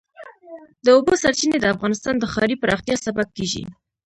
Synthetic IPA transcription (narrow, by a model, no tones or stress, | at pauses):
d̪əobosaɾt͡ʃined̪əafɣɑnɪst̪ɑnd̪əxɑɾipəɾɑxt̪ijɑsabab̚keʒḭ